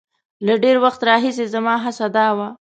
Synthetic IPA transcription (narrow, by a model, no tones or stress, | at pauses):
laɖeɾwaxt̪ɾɑɦis̬ezamɑɦasad̪ɑwa